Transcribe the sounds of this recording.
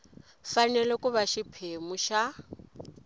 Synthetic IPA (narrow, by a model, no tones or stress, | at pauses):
fanɛlɛkʼuβaʃipʰemuʃa